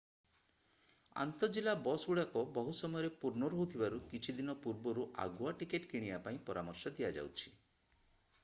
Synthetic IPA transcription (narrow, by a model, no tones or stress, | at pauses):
a̰nt̪ɔd͡ʒilabɔsuɽakɔbɔɦusɔmɔjɔɾepuɾnɔɾɔɦut̪ʰibaɾukit͡ʃʰid̪inɔpuɾbɔɾuʔa̰ɡuaʈikeʈkiɽ̃ijapaĩpɔɾamɔɾsɔd̪ijad͡ʒa̰wt͡ʃʰi̥